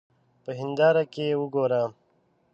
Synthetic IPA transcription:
pəɦind̪aːɾakewuɡoːɾaː

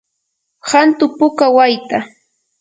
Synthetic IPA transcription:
hant̪ʊpʊkawajt̪a

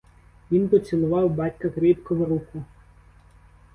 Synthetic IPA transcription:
ʋʲinpɔt͡sʲilˠʊʋɑwbɑtʲkɐkɾʲit̪kɔʋɐɾukʊ

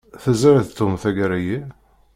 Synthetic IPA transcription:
θəzəɾθt̪ːumθæɡæɾæji

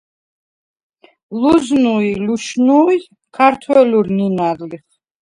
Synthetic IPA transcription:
luznuiluʃnui | kʰaɾt̪ʰwɛluɾninaɾliχ

